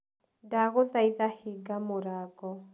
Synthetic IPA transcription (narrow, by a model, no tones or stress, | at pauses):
daɣʊt̪aiðahiɡamʊɾaːkɔ